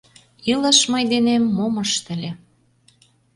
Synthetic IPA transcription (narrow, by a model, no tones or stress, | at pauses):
ilə̆ʃməjd̪enemːomə̆ʃt̪ə̆lʲe